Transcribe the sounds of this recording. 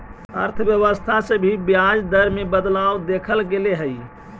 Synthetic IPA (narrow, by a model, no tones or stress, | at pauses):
ə̰ɾt̪ʰəbjəʋəst̪ʰasəbʱibjad͡ʒd̪əɾmebəd̪lawd̪ekʰəlɡeleɦəi